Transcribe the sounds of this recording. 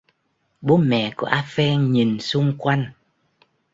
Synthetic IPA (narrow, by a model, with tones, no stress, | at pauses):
ɓo˨˦mɛ̰˧˨ku˧˩əʔaː˧fɛ˧nɲi˨˩nsʊ˧ŋ͡mkwa˧jŋ